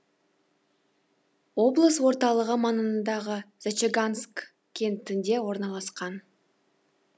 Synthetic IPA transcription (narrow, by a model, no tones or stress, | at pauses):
wo̞blˠəswo̞ɾt̪ɑlˠəʁəmɑnənd̪ɑʁəz̥at͡ʃeɡansk | kʲʰːe̞nt̪ɪnd̪e̞wo̞ɾnɑlˠɑsqɑn